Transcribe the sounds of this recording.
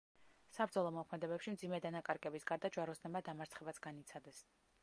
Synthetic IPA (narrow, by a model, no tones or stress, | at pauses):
sabɾd̪zɔlˠɔmɔkʰmɛd̪ɛbɛpʃimd̪zimɛd̪anakʼaɾɡʼɛbisɡaɾd̪ad͡ʒwaɾɔsnɛmad̪amaɾt̪sʰχɛbat̪sʰɡanit̪sʰad̪ɛs